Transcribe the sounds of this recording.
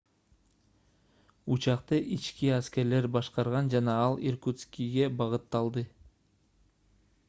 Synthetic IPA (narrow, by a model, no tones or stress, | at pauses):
ut͡ʃɑq̚t̪ɯʔit͡ʃkiæske̞ɾle̞ɾbɑʃqɑɾʁɑnd͡ʒɑnɑɑlˠirkut̪skʲiɡe̞bɑʁɯt̪ːɑlˠd̪ɯ